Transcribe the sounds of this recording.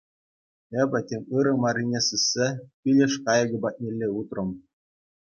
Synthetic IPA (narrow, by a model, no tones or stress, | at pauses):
ebʲɘ̆tʲeŋʲɯɾɤ̆mɑrʲinʲesɯsʲːepʲilʲĕʂkɑjɤ̆ɡʲɤ̆bɑt̪̚ʲnʲelʲːeut̪rɤ̆m